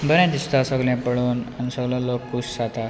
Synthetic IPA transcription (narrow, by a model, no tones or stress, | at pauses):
bəɾãd̪ist̪asəɡljãpəɭuːnanisəɡlãlɔkːussat̪a